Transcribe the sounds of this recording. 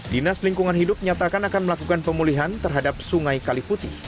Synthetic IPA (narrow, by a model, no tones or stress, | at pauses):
dinasliŋkuŋanɦidʊp̚ɲat̪akanakanməlakukanpəmuliɦant̪ərɦadap̚suŋajkaliput̪ḭ